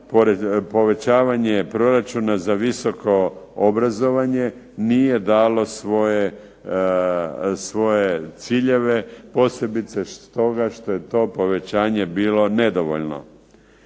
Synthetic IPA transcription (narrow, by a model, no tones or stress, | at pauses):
poɾepo̞ʋe̞t͡ɕaːʋaɲepɾo̞ɾat͡ʃunazaʋiso̞ko̞obɾazo̞ʋaɲe̞ | nije̞d̪aːlo̞sʋo̞je | sʋo̞je̞t̪siːʎe̞ʋe̞po̞se̞bit̪seʃt̪o̞ɡaʃt̪o̞je̞t̪o̞ːpo̞ʋe̞t͡ɕaːɲe̞biːlo̞ne̞d̪oʋo̰ʎno̞̰